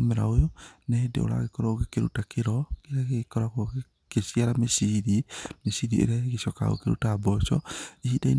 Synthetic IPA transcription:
meɾa̰ojonɛdḛo̰ɾa̰ɣekɔɾɔoɣekeɾṵtakeɾɔkeɾaɣkɔɾako | kesiaɾamesiðimesiðiḛɾaɣeʃɔka̰o̰keɾṵtaːbɔt͡ʃɔihidain

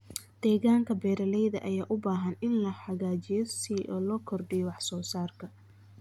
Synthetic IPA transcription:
d̪̥ɛːɣaːŋkʰɐbɛːɾɐlɛjðɐʔɐjaːʔʊbaːɦɐnɪnlɐħɑɣaːt͡ʃɪjɔsiːʔɔːlɔːkʰɔrɖɪjɔwɑħsɔːsaːrkʰɐ

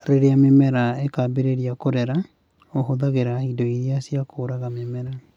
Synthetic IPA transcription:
ɾeɾeamemɛɾaekabeɾeɾiakoɾɛɾa | oɦoðaɣeɾaidoiɾiasiakoːɾaɣamemɛɾa

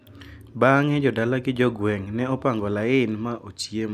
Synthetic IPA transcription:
baŋɛd͡ʒɔdalaɡɪd͡ʒɔɡwɛŋnɛɔpaŋɡɔlaɪɪnmaʔot͡ʃjem

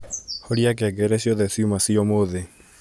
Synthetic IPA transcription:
hoɾiakaɡɛɾɛsiɔðɛsjumasiɔmoðe

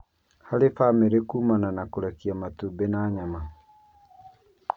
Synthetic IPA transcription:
halefameɾekuːmananakoɾɛkiamatubenaːɲama

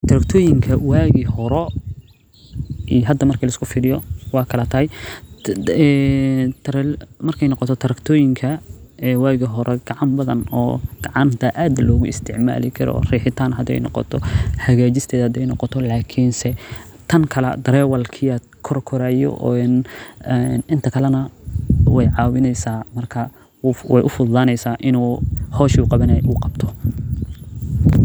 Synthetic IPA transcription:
t̪ʰɐɾɐkt̪ʰɔːjɪŋkʰɐwaːɣɪhɔɾɔ | ʔijɦɐd̪ːɐmɐrkʰɐlɐɪskʰʊfɪːlɪjɔwɑːkʰɐlɐt̪ʰɐhɛj | ɛt̪ʰɾɛmɐrkʰɛjnɔqɔt̪ʰɔt̪ʰɐɾɐkt̪ʰɔːjɪŋkʰɐwaːɣɪɦɔɾʔɛɡ̥ɑʕɑmbɐðɐ̰nɔ̰ːɡ̥ɑʕɑnt̪ʰɐʔaːd̪lɔːɣʊɪst̪ʰɪʕma̰ːlɪkʰɐɾɔ̰riːħɪt̪ʰaːnɦɐd̪ɛ̰jnɔ̰qɔ̰t̪ʰɔħɐɣaːt͡ʃɪst̪ʰɛːðɐhɐd̪ɛjnɔqɔt̪ʰɔlaːkʰinsɛ | t̪ʰɐŋkʰɐlɐ̰d̪ɐɾɛːwɐlkʰɪɐ | kʰɔrkʰɔɾaːjɔ̰ʔn | nɪnt̪ʰɐkʰɐlɐnɐwɛjʕɑːwɪnɛjsaːmɐrkʰɐ | wɛjʔʊfʊðlaːnɛjsaːʔɪnuːhɔːʃuːqɑβɐnɛjʔʊqɑbt̪ʰɔ

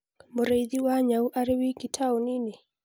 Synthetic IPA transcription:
muɾejðiwaɲauʔaɾewikitʰaunini

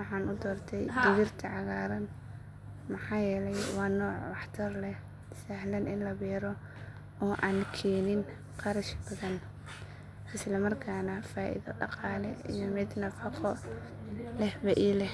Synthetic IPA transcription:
wɑħɑːnʊd̪ɔːrt̪ʰɛjd̪ɪβɪrt̪ʰɐʕɑɣaːɾɐn | mɐħɑːjɛːlɛjwɑːnɔːʕwɑħt̪ʰɐrlɛ | sahlɐnɪnlɐbɛːɾɔ | ɔːʔaːnkʰɛːnɪn | qɑɾɐʃb̥ɐðɐn | ɪslɐmɐrkʰaːnɐfaːʔḭðɐ̰ɖɑ̰qɑːlɛḭjɔmɪd̪nɐfɐqɔ | lɛhbɐʔiːlɛ

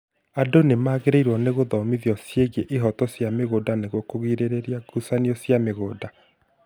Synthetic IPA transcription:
adonemaːɣeɾeiɾwɔneɣoðɔmiðjɔsjeɣeʔiɦɔtɔsjameɣodaneɣokoɣiɾeɾeɾiaɡusaniɔsjameɣoːda

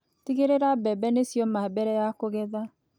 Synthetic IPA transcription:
tiɣeɾeɾabɛbɛnesjɔmabɛɾɛjakoɣɛða

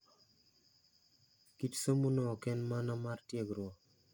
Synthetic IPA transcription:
kitsomunɔːkɛnmanamartjeɡɾwɔ

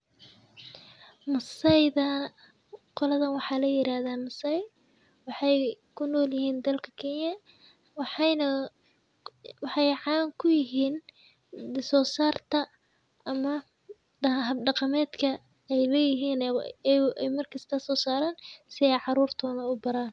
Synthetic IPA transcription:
mɐsɛjðɐ | qɔlɐðɐnwɑħɑːlɐjɪɾaːðaːmɐsɛj | wɑħɑjkʰʊnɔːljɪɦiːnd̪ɐlkʰɐkʰɛnjɐ | wħnɐ | wɑħɑjʕɑːŋkʰʊjɪɦiːn | sɔːsaːrt̪ʰɐ | ʔɐmɐ | dɐɦɐbɖɑqɑmɛːd̪kʰɐ | ɛjlɛːjɪɦiːn | ɛjmɐrkʰɐst̪ʰɐsɔːsaːɾaːnsɪɛjʕɑɾuːrt̪ʰɔːnɐʊbɐɾaːn

